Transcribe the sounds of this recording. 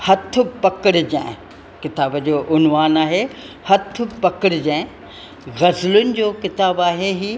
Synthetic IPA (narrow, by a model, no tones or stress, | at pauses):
hɐt̪ʰʊpɐkɪɽɪd͡ʑãːɪ̃ | kɪt̪aːbd͡ʑoːʔʊnʋaːnaːɦe | hɐt̪ʰʊpɐkɪɽɪd͡ʑãːɪ̃ | ɣɐzlʊnɪ̆d͡ʑoːkɪt̪aːbaːɦeɦiː